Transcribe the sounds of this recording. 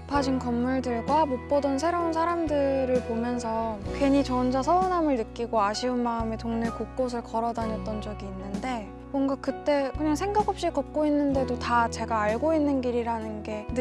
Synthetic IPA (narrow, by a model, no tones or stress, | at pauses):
pʰad͡ʑinkʌmːuɭdɯɭɡwamop͈ʌdʌns̬ʰe̞ɾounsʰaɾamdɯɾɯɭpomjʌns̬ʰʌkwe̞ɲit͡ɕʌnd͡ʑasʰʌunɦamɯɭnɯk͈iɡoaɕʰiɯnmaɯme̞toŋniɭkok͈̚osʰɯɭkʌɾʌdaɲʌt͈ʌnd͡ʑʌɡiːnːɯnde̞ | mwʌŋɡakɯt͈e̞kɯɲaŋsʰe̞ŋɡakʰhop̚ɕ͈ikʌk̚k͈oinːɯnde̞dotat͡ɕe̞ɡaːɭɡoinːɯnɡiɾiɾanɯnɡe̞n